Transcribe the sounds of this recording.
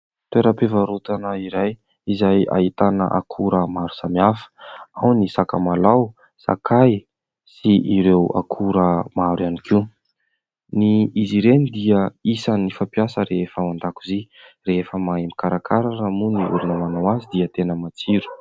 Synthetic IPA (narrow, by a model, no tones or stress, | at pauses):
t̪eɾapevaɾut̪anəiɾaj | izaja̰it̪anə̰ʔa̰kʰuɾəmaɾu̥samiafə̥awnisaka̰malaw | sa̰kʰaj | siʔiɾewa̰kʰuɾəmaɾjanikiw | niiziɾenid̪iəisanifapijasəɾeefəmand̪akuzi | ɾeefəmaemikaɾakʰaɾaramuniʔṵɾunəmanawazid̪iət̪enəmat͡siɾu̥